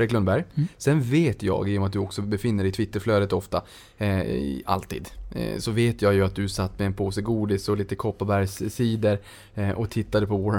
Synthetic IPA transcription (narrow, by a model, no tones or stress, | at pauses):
ɾɪklɵnbæɾjsɛnveːt̪jɑ̰ːɡiːjɔmat̪̚d̪ɵɔksɔbɛfɪnːəɖɛɪt̪ʰvɪt̪ːəɾfløːd̪ət̪ɔft̪a | a̰lt̪ḭːd̪̰sɔveːt̪ʰjɑːɡjɵat̪̚d̪ɵsat̪ːmɛɛnpʰoːsəɡuːd̪ɪsɔliːt̪əkʰɔpːabæɾjssiːd̪əɾ | ʔɔkt̪ʰɪt̪ːad̪əpʰɔvɔ